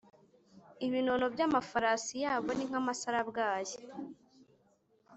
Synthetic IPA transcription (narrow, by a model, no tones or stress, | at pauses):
iβinonobjamafaɾasijaːβo̞niŋ̥hamasaɾabɡaːje